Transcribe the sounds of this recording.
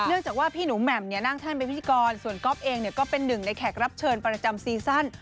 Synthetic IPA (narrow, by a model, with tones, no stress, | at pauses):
nɯ˥˩əŋt͡ɕaː˨˩k̚waː˥˩pʰiː˥˩nuː˩˦mɛ˨˩mni˥˩ɐna˥˩ŋt̪ʰa˥˩npa˧npʰi˥˩˧kɔː˧nsu˨˩ənkɔ˦˥p̚ʔeː˧ŋni˥˩kɔː˥˩pe˧nːɯ˨˩ŋna˧jkʰɛː˨˩k̚ɾa˦˥p̚t͡ɕʰɤː˧npɾa˧t͡ɕa˧msiː˧sa˥˩n